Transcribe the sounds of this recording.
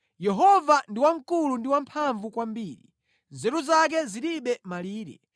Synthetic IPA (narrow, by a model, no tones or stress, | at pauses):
jɛɦɔvandiwaŋ̩kulundiwampʰaɱvukwambiːɾḭ | nzɛɾuzak̬ɛziɾiɓɛmaliːɾɛ̰